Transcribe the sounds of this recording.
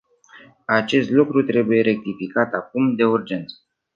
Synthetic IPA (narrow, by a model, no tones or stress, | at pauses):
at͡ʃe̞st̪lukɾut̪ɾe̞buje̞ɾe̞k̚t̪ifikat̪akumd̪e̞urd͡ʒe̞nt̪sə̥